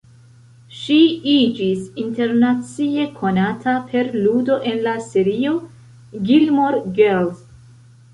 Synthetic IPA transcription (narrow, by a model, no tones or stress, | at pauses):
ʃiid͡ʒisinte̞ɾnat͡sie̞kʰo̞natʰapʰe̞ɾludo̞ʔe̞nlaseɾio̞ | ɡilmoɾɡels